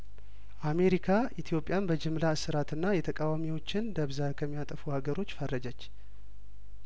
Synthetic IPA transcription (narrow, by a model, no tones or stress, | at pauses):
ʔame̞ɾikʰaʔit̪ʰjo̞pʼjanbəd͡ʒɪmlasɨɾat̪ɨnːajɛt̪ʰəkʼawamiwo̞t͡ʃːɪnd̪əβzakʰəmːijat̪ʼəfuhaɡəɾo̞t͡ʃːfərːəd͡ʒət͡ʃː